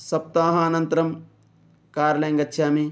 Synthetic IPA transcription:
sɐp̚t̪aːɦaːnɐnt̪ɐɾɐm | kaːɾɐlejŋɡɐt̪ːʃʰjaːmi

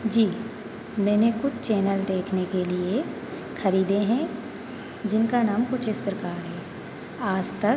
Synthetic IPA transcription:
d͡ʒiː | mɛ̃ːnekʊt͡ʃʰt͡ʃɛːnəld̪eːkʰnekelie | xɐɾiːd̪eɦɛ̃ | d͡ʒɪnkanaːmkʊt͡ʃʰɪspɾəkaːɾɦɛː | aːd͡ʒt̪ɐk

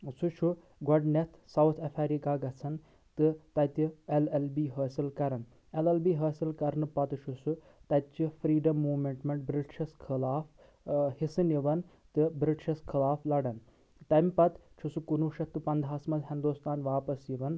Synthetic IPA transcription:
sut͡ʃʰu | ɡɐɖnet̪ʰsɐwt̪ʰɐfʰeɾikaːɡɐt͡sʰɐn | t̪ɨt̪ɐt̪ielelbiːɦəːsilkɐɾɐn | elelbiːɦɐːsilkɐɾnɨpɐt̪t͡ʃʰusu | t̪ɐt̪t͡ʃifʰɾiːɖɐmːuːmeɳʈmeɳʈ̚bɾiʈʃʰɐskʰilaːf | hisɨniʋɐn | t̪ɨbɾiʈʃʰɐskʰilaːflɐɽɐn | t̪ɐmʲpɐt̪t͡ʃʰusukunuʃɐt̪ːɨpɐnd̪ʱɦaːsmɐzɦind̪ust̪ʰaːnʋaːpɐsjiʋɐn

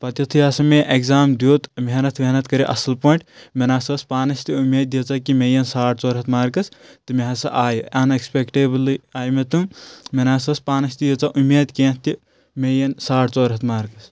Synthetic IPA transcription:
pɐt̪jɐt̪ʰujaːsɐmeʔekzaːmd̪joːt̪meɦnɐt̪ʰmeɦnɐt̪kɐɾeʔɐsɐlpoːiɳʈmenaːsɐːspaːnɐst̪iumeːd̪jit͡sɐkimejɐnsaːʈt͡soːɾɦɐt̪maːɾkɐst̪ɨmeɦɐsɐ̰ʔaːjuɐnekspekʈeːbliaːjmet̪ummenaːsɐspaːnɐst̪ijet͡sɐʔumːeːd̪kẽːt̪i | mejɐnsaːʈt͡soːɾɦɐt̪maːɾkɐs

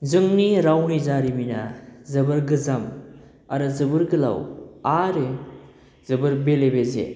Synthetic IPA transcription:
zɯŋniɾawnizaɾiminazɐbɯɾɡɯzam | aɾɯzɯbɯɾɡɯla̰waɾe | zɯbɯɾbelebezḛ

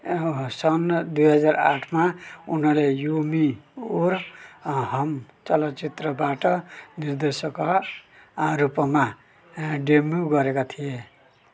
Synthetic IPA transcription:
sʌnd̪ujɦʌd͡zaɾa̰ʈʰmaunʌlejomioɾ | ɦʌmt͡sʌlʌt͡sit̪ɾʌbaʈʌniɾd̪esʌka | ɾupʌma | ɖemuɡʌɾekat̪ʰije

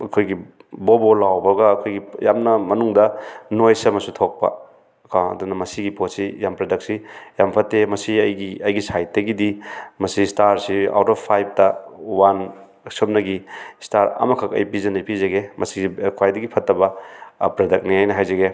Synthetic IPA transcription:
ɐkʰojɡi | bobolawbɐɡɐːkʰojɡijamnɐmɐnuŋdɐnojsɐmɐsutʰok̚pɐ̰ | kʰaɐ̰dunɐmɐsiɡiposijampɾedɐk̚sijampʰɐtːemɐsiɐjɡiɐjɡisajt̚dɐɡidimɐsistaɾsia̰wtɔpʰajb̚tɐwan | sop̚nɐɡistaɾɐ̰mɐkʰɐkɐ̰jpizɐnɐjpizɐɡemɐsiikʰwajdɐɡipʰɐtːɐbɐpɾedɐk̚niajnɐɦajzɐɡe

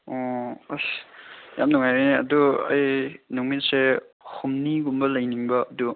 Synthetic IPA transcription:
ɔ | ja̰mnuŋajɾejniɐ̰duɐ̰jnuŋmitse | humniɡumbɐlɐjniŋbɐɐdu

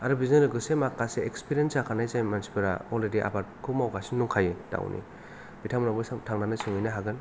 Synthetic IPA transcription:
aɾɯbizɔnɯɡɯsemakːaseekspiɾijensakʰanajsajmansi̥pɯɾa̰ɔlɾediʔa̰batkʰumawkasinːuŋkʰajɯta̰wnʔḭ | b̥itʰamnabɯsaŋtʰaŋnanɯsɯŋɯjnaɦaɡɯn

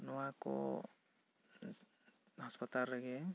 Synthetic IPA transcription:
nɔwako̰ | ɦʌspət̪alːʌɡe

